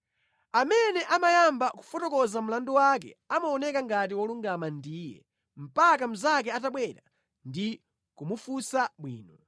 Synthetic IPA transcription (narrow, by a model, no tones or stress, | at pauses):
amɛnɛʔamajambaku̥fɔtɔkɔzam̩landuwakɛ̰amaɔnɛkaŋɡat̬iwɔluŋɡamandiːjɛ̰ | m̩pakam̩zak̬ɛataɓwɛɾa | ndi | kumufusaɓwḭːnɔ